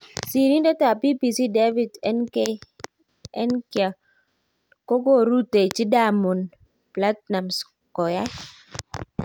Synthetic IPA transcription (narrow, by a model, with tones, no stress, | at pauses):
si˨ɾi˦ndɔ˦ta˨pi˦pi˨si˦de˦vi˦˨dne˦ | ɛ˦nka˨ | ko˦ɡo˦ɾu˦te˨t͡ʃi˦da˦˨mu˨n | pla˦t̚na˨ms | kɔ˨ja˦